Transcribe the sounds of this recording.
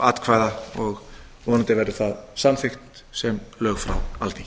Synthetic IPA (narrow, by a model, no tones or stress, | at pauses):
at̪kʰvaːjðaɔɣ | vɔːnat̪ɪvɛɾðʏθaðsanfɪxt̪ | sɛmlœːɣfɾa̰walt̪i